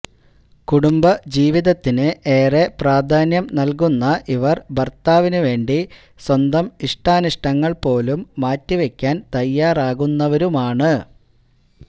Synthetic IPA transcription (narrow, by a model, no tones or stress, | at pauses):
kuɽumbɐd͡ʑiːʋiðɐt̪ːinɨʔe̞ːre̞praːd̪ʱaːnjɐmnɐlk̬unːɐʔiʋɐrbʱɐrt̪aːʋinɨʋe̞ːɳɖi | swɐnd̪ɐmiʂʈaːnuʂʈɐŋːɐɭpo̞ːlumːaːtːiʋekʲːaːnt̪ɐjːaːraːɣunːɐʋɐɾumaːɳɨ